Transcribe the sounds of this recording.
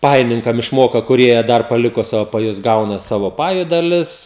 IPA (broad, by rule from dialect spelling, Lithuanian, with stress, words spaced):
ˈpɑːjɪnʲɪŋkɐm ɪʃˈmoːkɐ kʊˈrʲiɛ ˈdɐr pɐˈlʲɪkoː ˈsɑːʋoː pɐˈjʊs ˈɡɐʊnɐ ˈsɑːʋoː ˈpɑːjʊ dɐˈlʲɪs